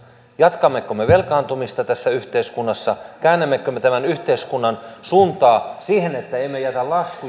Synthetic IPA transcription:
jɑt̪kɑmːekːomːeʋelkɑːnt̪umist̪ɑt̪æsːæyht̪eiskunːɑsːɑkæːnːemːekːømːet̪æmænyht̪eiskunːɑnsuːnt̪ɑːsiːhenet̪ːæeimejæt̪ælɑski

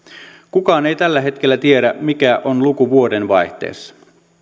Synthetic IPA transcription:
kukɑːne̞jt̪ælːæɦe̞t̪k̟elːæt̪ie̞ɾæmikæʔonlukuʋuo̞de̞nʋɑjht̪ḛːsːɑ̥

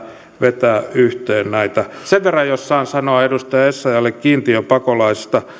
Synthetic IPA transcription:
ʋet̪æːyht̪eːnnæit̪ɑ | seʋʋerːɑjjossɑːnsɑnoɑedust̪ɑjɑesːɑjɑlːekkiːnt̪iøpɑkolɑisi̥st̪ɑ

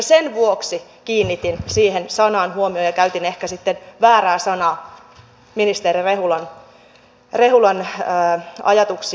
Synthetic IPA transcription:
senʋuoksi | kiːnːit̪insiːhensɑnɑːnhuomiojɑkæyt̪inehkæsit̪ːenʋæːræːsɑnɑː | minist̪erireɦulɑn | reɦulɑnəːɑ̰jɑt̪uks

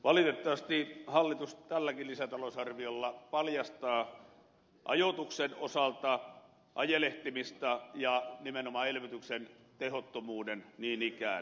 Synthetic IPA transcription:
ʋɑlit̪et̪ːɑʋɑst̪ihɑlːit̪ust̪ælːækillisæt̪ɑlosɑrʋiolːɑpɑljɑst̪ɑː | ʔɑ̰jot̪uksenosɑlt̪ɑ | ʔɑjeleht̪imist̪ɑjɑnimenomɑelʋyt̪yksen | t̪ehot̪ːomuːdenniːnikæ̰ˑ

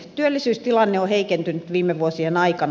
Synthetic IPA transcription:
t̪yølːisyːst̪ilɑnːeoheikent̪ynyt̪ʋiːmːˑeʋuosienɑikɑn

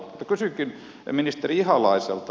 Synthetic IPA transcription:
t̪ːɑkysykin | minist̪eriihɑlɑisḛlt̪

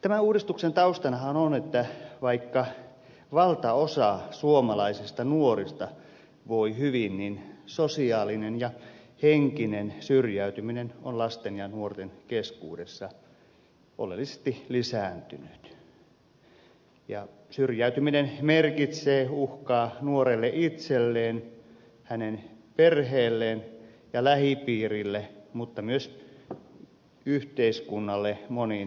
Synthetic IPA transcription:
t̪æmæuːdist̪uksent̪ɑust̪ɑnɑhɑnonet̪ːæʋɑikːɑ | ʋɑlt̪ɑosɑsuomɑlɑisist̪ɑnuorist̪ɑ | ʋoihyʋinninsosiɑːlinenjɑ | heŋkinensyrjæyt̪yminenonlɑst̪enjɑnuort̪enkeskṵːdesːɑ | ʔo̰lḛlːise̥st̪ilisæːˑnt̪ynyt̪ | jɑ | syrjæyt̪yminenmerkit̪seːuhkɑːnuorelːeʔit̪selːeːn | hænenperheːlːeːn | jɑlæhipiːrilːemut̪ːɑmyøs | yht̪eiskunːɑlːemonin

